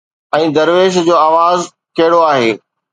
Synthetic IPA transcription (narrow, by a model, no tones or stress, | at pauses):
ɛ̃ːd̪ɐɾʋeːʃd͡ʑoːaːʋaːz | kɐɦɪɽoaːɦeː